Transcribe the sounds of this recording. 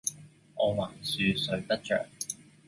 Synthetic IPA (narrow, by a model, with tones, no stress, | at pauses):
ʔɔː˨˧waː˨˩nsyː˨˧sɵ˨˧ɥt̪ɐ˥k̚t͡ʃœ̰ː˨k̚